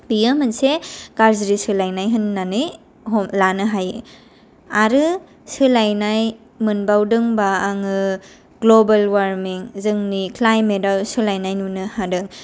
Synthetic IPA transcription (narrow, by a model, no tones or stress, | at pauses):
bijamɯnsekaɾziɾisɯlajnajɦɯnːanɯj | ɦɔmlanɯɦajɯ | aɾɯ | sɯlajnaj | mɯnbawdɯŋbaːŋɯ | ɡlobalwaɾmiŋzɯŋnikʰlajmetawsɯlajnajnunɯhadɯŋ